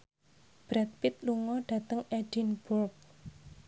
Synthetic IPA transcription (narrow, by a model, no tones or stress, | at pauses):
b̥ɾat̪̚pɪt̪̚luŋɔɖ̥ä̤t̪əŋɛd̥inbʊrk̚